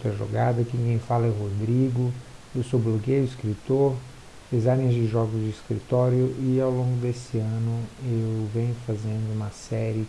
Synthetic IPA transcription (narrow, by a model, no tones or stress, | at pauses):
t̪ɾɐʒo̰ɡad̪ɐkɪ̃kẽj̃falɐɛɦod̪ɾiɡʊ | ewsowbloɡejʊiskɾit̪oɾ | d̪̥ezãnẽzd͡ʒɪʒɔɡʊzd͡ʒɪiskɾḭt̪ɔɾjʊʔɪawlõŋɡʊd̪esɪɐ̃nʊewvẽɲʊfazẽnd̪ʊũmɐsɛɾɪ